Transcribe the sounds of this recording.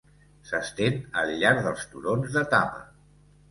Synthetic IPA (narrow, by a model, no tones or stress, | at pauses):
səst̪enəlʎːaɾðəlˠst̪uɾonzðət̪apə̰